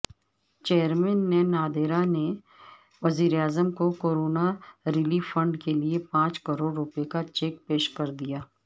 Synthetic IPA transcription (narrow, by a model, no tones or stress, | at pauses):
t͡ʃeːəɾmɛ̃ːnːenaːd̪eːɾane | ʋɐziːɾeaːzəmkokoːɾoːnaɾɪliːʋfɐ̃ɳɖkeliepãːt͡ʃkɐɾoːɖɾʊpekat͡ʃeːk̚peːʃkɐɾd̪ijaː